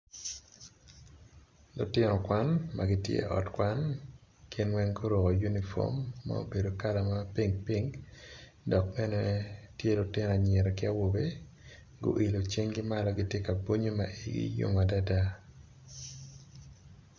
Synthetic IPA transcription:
lʊ˨tɪ˦nɔ˨kwa˦nma˨ɡɪ˦tjḛ˦ʔɔ̰˨tkwa˦nkɪ˦nwɛ˦ŋɡo˦ɾo˨kɔ˨ju˦ni˨fɔ̰˦mːa̰˦o̰˦be˨do˨ka˦la˨ma˦pi˦ŋpi˦ŋ | dɔ˨k̚mɛ˦ne˦tje˦lʊ˨tɪ˦n˨a˨ɲɛ˨ɾɔ˨kɪ˦a˦wo˨be˦ | ɡo̰˦ʔi˨lo˨t͡ʃe˦ŋɡɪ˦ma˦lɔ˦ɡɪ˦tje˦ka˨bo˦ɲo˦ma̰˨ʔḭ˨ɡḭ˦jo̰˦ma˨da˦da˦

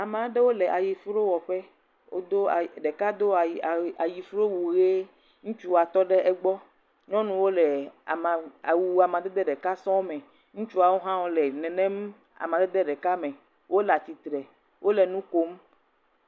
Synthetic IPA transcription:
a˨m˨a˨˦ɖe˦wo˦lɛ˨ʔa˨ji˨fɾo˦wɔ˨ɸɛ˦ | wo˦d̪o˦˨ɖe˨ka˦d̪o˦˨a˨ji˨fɾo˦wu˨ɣe˦ | ŋũ˦t͡ʃu˦wa˨t̪ɔ˦ɖe˦ʔɛ˦ɡ͡bɔ˦ | ɲɔ̃˦nũ˨wo˦lɛ˨a˨m˨a˨wu˨a˨mã˨d̪ɛ˦d̪ɛ˦ɖɛ˨ka˦sɔ̃˦mɛ̃˨ | ŋũ˦t͡ʃu˦a˨wo˦ɦã˦wo˦lɛ˨nɛ̃˨nɛ̃˦m | a̰˨mã˨d̪ɛ˦d̪ɛ˦ɖɛ˨ka˦mɛ̃˨ | wʔo˦la˨t̪i˨t̪ɾɛ˨ | wʔo˦le˨nũ˦ko˦m

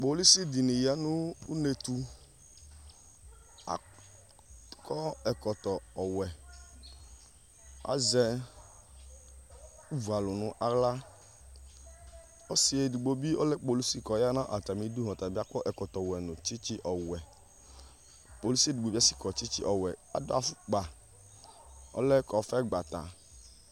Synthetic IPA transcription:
k͡po˨˦li˦si˦di˨nĩ˨ja˨˦nũ˦u˦ne˨tu˧ | a̰˨ | kʰɔ˦ɛ˨kɔ˨tɔ˨ɔ˨wɛ˨ | a̰˨zɛ˧ | u˦vu˨a˨lu˨nʊ̃˨ʔa˦la˦ | ɔ˦si˨e˨du˨ɡ͡bo˨bi˦ɔ˦lɛ˦k͡po˨lu˦si˦kɔ˨ja˦nã˦ʔa˨ta˨mĩ˨˦du˦ɦɔ̃˨ta˨bi˦a˦kɔ˦ʔɛ˨kɔ˨tɔ˨wɛ˨nʊ̃˨t͡ʃi˦t͡ʃi˦ʔɔ˨wɛ˨ | k͡po˨lu˦si˦e˦du˨ɡ͡bo˨bi˦a˦si˦kɔ˨t͡ʃi˦t͡ʃi˦ʔɔ˨wɛ˨a̰˨do˦a˨fu˦k͡pa˨ | ɔ̰˦lɛ˦kɔ˨fɛ˦ɡ͡ba˨ta̰˨

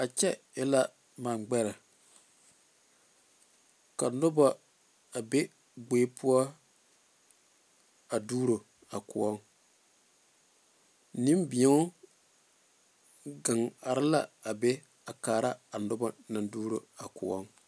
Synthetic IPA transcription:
a˨t͡ʃɛ˦ | ɪ˦la˦ | maː˨nɡ͡bɛ˦ɾɪ˨ | ka˨nʊ˦ba˨ | a˨be˦ | ɡ͡beː˦pʰʊ˦ɔ˦ | a˨duː˦ɾo˨ | a˨kʊ˨ɔ˦ŋ | nɪ˦mbɪ˨ɛ˦ | ɡa˨ŋa˨ɾɪ˦la̰˦a˨be˦ | a˨kaː˨ɾa˦a˨nʊ˦ba˦na˨nduː˦ɾo˨a˨kʊ˨ɔ˦ŋ

